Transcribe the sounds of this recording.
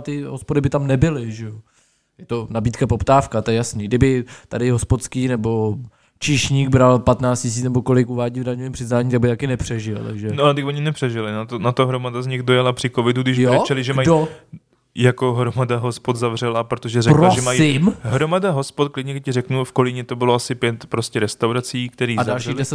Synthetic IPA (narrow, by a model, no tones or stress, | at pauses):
t̪ɪɦospodɪbɪt̪amnɛbɪlɪʒɛjo | jɛt̪o̞nabiːt̪kapopt̪aːfkat̪ojɛjasniːɡdɪbɪt̪adɪɦospot̪skiːnɛbo̞ | t͡ʃɪʃɲiːɡbɾalpat̪naːt͡scɪs̬iːt͡snɛbo̞ko̞lɪkuvaːɟivdaɲoviːmpr̥ɪznaːɲit̪aɡ̚bɪt̪akɪnɛpr̥ɛʒɪl̰ʒɛnoaɛt̪ɪkoɲɪnɛpr̥ɛʒɪlɪnat̪onat̪oɦɾomadazɲɪxdojalapr̝̥ɪkovɪduɡdɪʒjoɾɛt͡ʃɛlɪʒɛmajdo | jako̞ɦɾomadaɦospot̪zavr̝ɛlapɾot̪oʒɛzɛɾoaʒɛsmajɪmɦɾomadaɦospot̪̚klɪdɲɛɪcɪrɛknufkolɪɲɛt̪o̞bɪloasɪpjɛt̪pɾoscɛɾɛst̪awɾat͡siːk̚t̪ɛɾiːadzalʃiːɣldɛsɛt̪